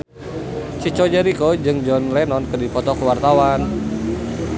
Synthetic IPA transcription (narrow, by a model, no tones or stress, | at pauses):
t͡ʃit͡ʃɔd͡ʒəɾikɔd͡ʒɨŋd͡ʒɔnlɛnɔnkɨdipɔt̪ɔkəwart̪awan